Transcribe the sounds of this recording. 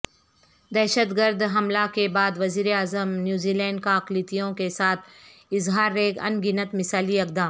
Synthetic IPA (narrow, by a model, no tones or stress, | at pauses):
d̪ɛːʃət̪ɡəɾd̪ɦɐmlakebaːd̪ʋɐziːɾeaːzəmnjuːziːlɛ̃ːɳɖkaɐqlit̪ijõkesaːt̪ʰɪzɦaːɾːeːɡɐ̰nɡɪnət̪mɪsaːliɐk̚d̪aːm